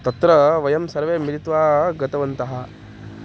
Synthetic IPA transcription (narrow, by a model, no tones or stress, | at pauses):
t̪ɐt̪ɾɐʋɐjɐmsɐɾʋeːmiɾit̪ʋaːɡɐt̪ɐʋɐnt̪ɐɦɐ̆